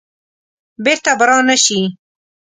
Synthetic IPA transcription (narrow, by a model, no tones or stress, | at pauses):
beɾt̪abɾɑːnaʃi